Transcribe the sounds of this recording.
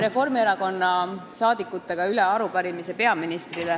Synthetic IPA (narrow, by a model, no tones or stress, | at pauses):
ɾe̞fo̞rmieɾɑko̞nːɑsɑːd̪̥ikːˑut̪ːˑe̞ɡ̥ɑyleɑɾupɑɾimise̞pe̞ɑminist̪rile